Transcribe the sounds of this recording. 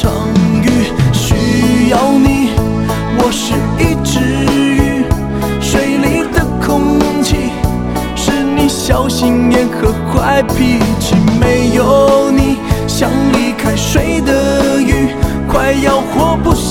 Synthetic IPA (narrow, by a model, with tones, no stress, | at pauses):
ɤ̰˨˩ŋy˥ɕy˧˥jɑ˥˧ʊni˨˩˦ | wɔ˨˩ʂɻ̩˥˧i˥˧ʈ͡ʂɻ̩˧˥y˥˩ | ʂwe˨˥ɪli˧˥d̪ə˧kʰʊ˥ŋt͡ɕʰi˥˧˩ | ʂɻ̩˥ni˨˩ɕjɑ˧ʊɕi˧ŋjɛ˧˥nkʰɤ˧˩kʰwa˥ɪpi˧˩ʈ͡ʂ̩ʰ˨˩me˧˥ɪjo˨˧˦ni˨˩˦ɕjɑ˧˥ŋli˧˥kʰa˥ɪʂwe˧˥ɪd̪ə˨y˥˩ | kʰwa˥˩ɪjɑ˥˧˩ʊxwɔ˧˥pu˥˩